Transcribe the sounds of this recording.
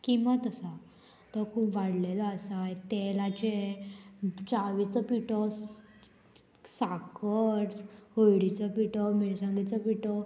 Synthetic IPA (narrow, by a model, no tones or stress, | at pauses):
kimat̪əsa | t̪əkʰupʋaɽlelaəsajt̪elat͡ɕe | t͡saʋit͡səpiʈɔ | sakəɾhojɽit͡səpiʈɔmiɾsãŋɡit͡səpiʈɔ